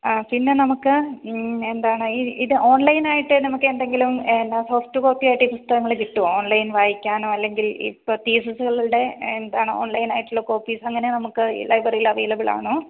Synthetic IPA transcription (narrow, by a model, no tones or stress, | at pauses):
apinːe̞nɐmukːɨ | e̞nd̪aːɳɨiːiðɨʔo̞ːɳlɐjnaːjiʈːɨnɐmukːɨend̪eŋɡilumenːasoːfʈɨko̞ːpːijaːjiʈːɨiːpust̪ʰɐɣɐŋːɐɭekiʈːuoːnlɐjnʋaːjikʲːaːnoːɐlːe̞ŋɡilḭpːop̪iːsɐsuɣɐɭuɭɽe̞end̪aːɳɨo̞̰ːɳlɐjnaːjiʈːulːokːo̞ːpːiːsɐŋːɐnenɐmukːɨ̰lɐjbɐriilːɐʋejlɐbɨɭa̰ːɳoː